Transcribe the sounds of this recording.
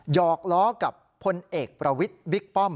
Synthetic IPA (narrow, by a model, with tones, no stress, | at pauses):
jɔː˨˩k̚lɔː˦˥ka˨˩pʰːo˧nʔeː˨˩k̚pɾa˧wi˦˥t̪̚bi˦˥k̚pɔ˥˩m